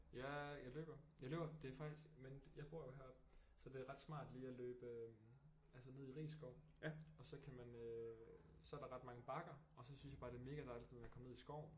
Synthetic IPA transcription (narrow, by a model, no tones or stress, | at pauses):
jæjɑ̈ɪlø̰ːb̥ɐjɑ̈ɪlø̰ːb̥ɐd̥e̝æɐfɑ̈ɡ̥d̥isɡ̥menjɑ̈ɪb̥o̝ɐ̰joɦæɐ̰b̥ | sɒ̽d̥e̝æɐʁɑ̈d̥smɑ̰̈ːd̥liːælø̰ːb̥ə | ælsəne̝ð̞̰ˠiʁḭːsɡ̥ɒʊ̰ | ɒ̽sɒ̽kʰæmænø | sɒ̽æɐɾ̥ɑ̈ʁɑ̈d̥mɑ̈ŋəb̥ɑ̈ɡ̥ɐ | ɒ̽sɒ̽synsjɑb̥ɑ̈ːd̥e̝ɐme̝ːɡ̥æd̥ɑ̈ɪlid̥mekʰɒ̽mne̝ð̰ˠisɡ̥ɒ̰ʊ̰n